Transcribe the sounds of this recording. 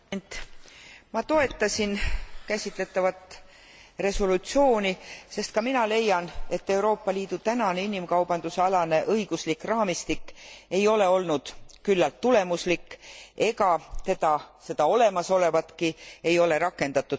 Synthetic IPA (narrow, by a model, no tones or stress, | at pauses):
nt̪ | mɑt̪o̞e̞t̪ːɑsʲinkæsʲit̪le̞t̪ːˑɑvɑt̪ːˑ | re̞so̞lut̪sio̞ːnise̞st̪kɑminɑle̞jːɑne̞t̪ːe̞uwɾo̞ːpːɑliːd̪̥ut̪ænɑneinimkɑwb̥ɑnd̪̥useɑlɑne̞ʔɤiɡ̥uslikrɑːmist̪ikːe̞jo̞le̞o̞lnud̪̥kylːɑlt̪ːule̞muslikːe̞ɡɑt̪e̞d̪ɑse̞d̪̥ɑo̞le̞mɑso̞le̞vɑt̪kie̞jo̞le̞ɾɑkːˑe̞nd̪ɑt̪ːˑu̥